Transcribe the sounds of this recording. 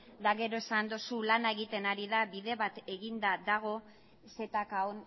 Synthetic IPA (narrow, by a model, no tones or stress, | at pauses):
d̪aɣe̞ɾo̞e̞sand̪osulanae̞ɣit̪e̞naɾiðaβiðe̞βat̪e̞ɣind̪ad̪aɣ̞o̞ | se̞t̪akaon